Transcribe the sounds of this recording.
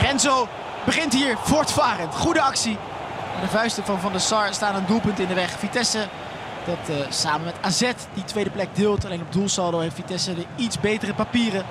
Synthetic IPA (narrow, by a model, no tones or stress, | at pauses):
rɛnzow | bəχɪntɦiːɹvɔɹtfaːrəntχudəɑksi | maːdəvœɥstəvɑnvɑndəsɑɹstaːnəndulˠpɵntɪndəʋɛχfitɛsə | d̥ɑtsaːmənmɛtaːzɛtditʋejdəplɛɡ̚dɪːlˠtalejnɔb̚dulˠsɑlˠdowɦejftfitɛsədəitzbejtərəpapiːrə